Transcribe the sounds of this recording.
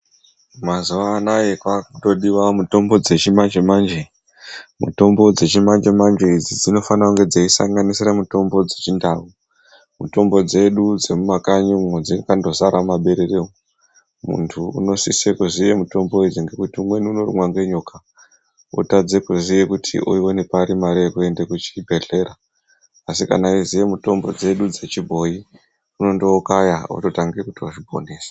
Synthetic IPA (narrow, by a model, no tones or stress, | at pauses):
mazuʋanaje̞kwakuto̞ɗiʋamuto̞mbo̞d͡ze̞t͡ʃimand͡ʒemand͡ʒe | mṵto̞mbo̞d͡ze̞t͡ʃimand͡ʒe̞mand͡ʒe̞id͡zid͡zino̞fanakuŋɡe̞d͡zaisa̰ŋɡanisiɾamuto̞mbo̞d͡ze̞t͡ʃindaːwu | muto̞mbo̞d͡ze̞ɗud͡ze̞mumakaɲimwod͡zikando̞zaɾamaɓe̞ɾe̞re̞wo | mṵntʰṵːno̞sisekuzije̞muto̞mboed͡ziŋɡekutiumwe̞niuno̞rḭmwaŋɡe̞ɲoka | o̰tad͡zekuzije̞kutʰḭʔo̰ione̞paɾimaɾeekue̞nde̞kut͡ʃi̥bʱe̞ɮe̞ːɾaː | sika̰naizijemuto̞mbo̞d͡ze̞ɗud͡ze̞t͡ʃibʱo̞i | uno̞ndoːkajao̰to̞taŋɡekutioʐibʱo̞̰ne̞ːsḁ